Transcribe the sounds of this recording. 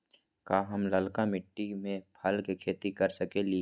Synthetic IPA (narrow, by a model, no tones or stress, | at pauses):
kaːɦɐmlɐlkamɪʈːimẽpʰɐlkekʰeːt̪ikɐɾsəkeli